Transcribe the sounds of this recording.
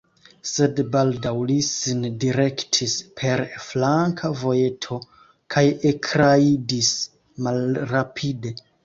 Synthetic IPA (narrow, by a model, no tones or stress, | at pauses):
se̞dbaldawlisindiɾe̞ktʰispʰe̞ɾflaŋkʰavo̞je̞tʰo̞ | kʰajekʰɾaidis | malɾapʰide̞